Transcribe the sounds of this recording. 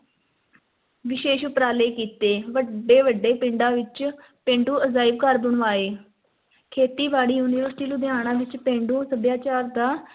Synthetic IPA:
ʋɪʃeːʃʊpɾaːleːkiːt̪eːʋəɖeːʋəɖːeːpɪɳɖãːʋɪt͡ʃ | pẽːɳɖuːəzaːɪbkəɾbəɳʋaːeː | kʰeːt̪iːʋaːɽiːjuːnɪːʋəɾsʈiːnũːd̪ɪaːɽ̃ãːʋɪt͡ʃpẽːɳɖũːsəb̪jaːt͡ʃaːɾd̪aː

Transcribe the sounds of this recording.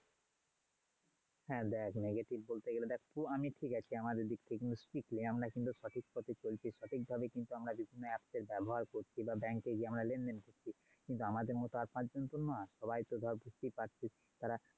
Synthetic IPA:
hɛ̃d̪ɛkʰneɡeʈibbolt̪eɡeled̪ɛkʰbuamiʈʰikat͡ɕʰiamad̪eɾd̪ik̚t̪ʰekinuspikliamɾakint̪uʃɔʈʰik̚pɔt̪ʰet͡ɕolt͡ɕʰiʃɔʈʰik̚bʱabekint̪uamɾabibʱinːoɛpd̪eɾbɛboɦaɾkoɾt͡ɕʰibabɛŋkeɡiamɾalenɖenkoɾt͡ɕʰi | kint̪uamad̪eɾmɔt̪oaɾpãd͡ʑd͡ʑont̪onɔʃɔbajt̪od̪ʱɔɾbʱust̪ipaʈt͡ɕʰi | t̪aɾa

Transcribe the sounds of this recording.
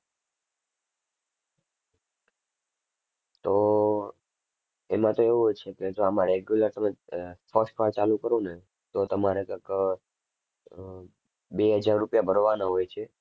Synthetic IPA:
t̪o | emãt̪oeʋuɦojt͡ʃʰeked͡ʒoəmãɾeɡjuləɾt̪əmesɔsʈʰʋaɾt͡ʃalũkəɾone | t̪ot̪əmaɾekək | beɦəd͡ʒaɾːupjabʱəɾoʋanaɦojt͡ʃʰe

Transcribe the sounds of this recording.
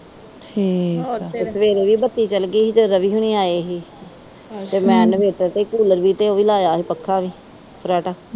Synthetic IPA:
ʈʰiːeːsəʋeːɾeːʋiːbət̪ːiːt͡ʃəlɡiːd͡ʒəɾəʋiːɦʊñiːaːeːɦiː | t̪eːmɛ̃ːnʋeːʈəɾt̪eːkuːləɾʋiːt̪eːoːʋiːlaːjaːɦiːpəkʰːaːʋiː | pʰɾɛːʈaː

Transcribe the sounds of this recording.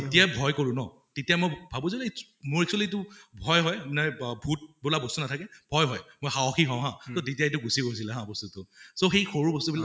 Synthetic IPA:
tetijabʱɔjkoɹʊ̃nɔ | tetijamojbʱabozilɛ | mʊɹɛksuwalitʊbʱɔjɦɔjmnɛbʱut̚bulabɔstunatʰakɛbʱɔjɦɔjmojxaɔxiɦɔ̃ɦãtotetijaetʊɡusikojs̬ilɛɦãbɔstutʊsoxejxoɹubɔstubila

